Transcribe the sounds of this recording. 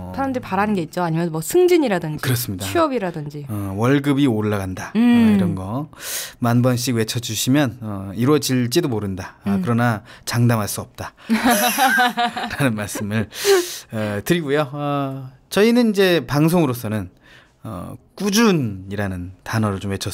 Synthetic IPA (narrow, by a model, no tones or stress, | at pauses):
sʰaɾamdɯɾipaɾanɯnɡe̞it̚t͡ɕ͈oaɲimjʌnmwʌsʰɯŋd͡ʑiɲiɾadɯnd͡ʑkɯɾʌs͈ɯmɲidauʌbiɾadɯnd͡ʑiʌwʌɭɡɯbioɭːaɡandaiɾʌnɡʌmanbʌnɕ̬͈iɡwe̞t͡ɕʰʌd͡ʑuɕʰimjʌnʌiɾwʌd͡ʑiɭt͡ɕ͈idomoɾɯndakɯɾʌnat͡ɕaŋdamɦaɭs͈uʌp̚t͈a | ɾanɯnmaɭs͈ɯmɯɭʌtɯɾiɡujoʌ | t͡ɕʌinɯnid͡ʑe̞paŋsʰoŋɯɾos̬͈ʰʌnɯn | ʌ̰k͈ud͡ʑuniɾanɯntanʌɾɯɭt͡ɕomwet͡ɕʰʌ